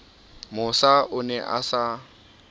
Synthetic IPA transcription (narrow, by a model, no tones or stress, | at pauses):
mʊsaʔʊnɛʔa̰sa